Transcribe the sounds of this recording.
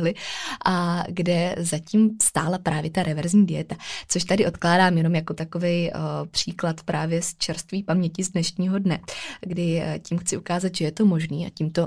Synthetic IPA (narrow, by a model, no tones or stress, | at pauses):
lɪʔaɡdɛzaciːmst̪aːlapɾʔaːvjɛt̪aɾʔɛvɛɾzɲiːdɪjɛt̪at͡soʃt̪adɪʔo̞t̪klaːdaːmjɛno̞mjako̞t̪ako̞vɛjpr̝̥iːklat̪pɾʔaːvjɛst͡ʃɛɾst̪viːpamɲɛcɪzdnɛʃɲiːɦo̞dnɛɡdɪcimxt͡sɪʔukaːzat̪ʒɛjɛt̪o̞mo̞ʒniːʔa̰cimt̪o̞